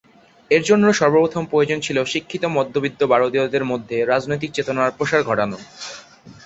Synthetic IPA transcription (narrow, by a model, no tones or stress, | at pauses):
eɾd͡ʑonːoʃɔɾbopɾot̪ʰompɾojod͡ʑont͡ɕʰiloʃikʰːit̪omɔd̪ʱːobid̪ːobaɾod̪iod̪eɾmod̪ʱːeɾad͡ʑnojt̪̬ik̚t͡ɕet̪onaɾpɾoʃaɾɡʱɔʈano